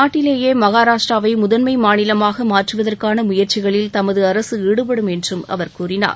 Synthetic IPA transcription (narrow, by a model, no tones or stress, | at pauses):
naːʈːɪleːjeːmɐɣaːɾaːʂʈraːʋɐɪmʊðɐnmɐɪmaːnɪlɐmaːɣɐmaːʈrɯʋɐðɐrkaːnɐmʊjɐɾt͡ʃɪɣɐɭɪlt̪ɐmɐðɯɐɾɐsɯiːɽɯpɐɽɯmɛndrɯmɐ̰ʋɐɾkuːrɪna̰ːɾ